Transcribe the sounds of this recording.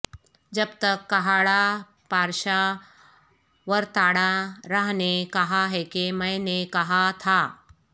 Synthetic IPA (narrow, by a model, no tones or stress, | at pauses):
d͡ʒɐbt̪ɐkːɐɦaːɽa | paːɾʃa | ʋəɾt̪aːɽaɾɐɦnekɐɦaɦɛkemɛ̃nekɐɦat̪ʰaː